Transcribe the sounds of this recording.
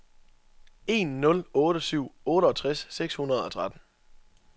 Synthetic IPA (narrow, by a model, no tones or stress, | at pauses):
e̝̰ːnːɔ̽lɔ̽ːɾəsyʊ̰ɔ̽ːɾəɒ̽t͡sʰʁasːeɡ̥shunɐð̞ˠɒ̽t͡sʰʁad̥n̩